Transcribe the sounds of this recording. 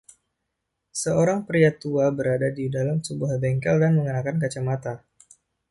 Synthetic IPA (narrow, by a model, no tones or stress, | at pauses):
səoɾaŋpɾiat̪uabəɾadadidalamsəbuahbɛŋkɛldanməŋənakankat͡ʃamat̪a